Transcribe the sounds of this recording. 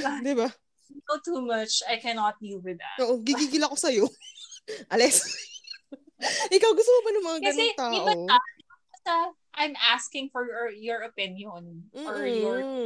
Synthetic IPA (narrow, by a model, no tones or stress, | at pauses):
d̪ɪba | ot̪umɐt͡ʃɐjkɛnɔt̪̚lilwɪða̰t̪oːʔoɡiɡiɡɪlɐkosɐjo | ʔɐlɛs | ʔɪkawɡʊst̪omobɐnɐŋmɐŋakɐnsɛŋt̪aːɪʔbɐoɐ | aɐsɐ | ʔajmʔaskɪ̃ŋfɔɹjɔɹɐpɪ̃njɔnɔɹjɔɹ